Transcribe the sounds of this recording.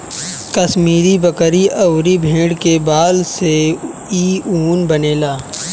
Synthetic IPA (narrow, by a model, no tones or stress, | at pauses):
kɐsmiːɾibɐkɾiʔɐʊɾibʱẽːɽkebaːlse | iːuːnbɐneːlaː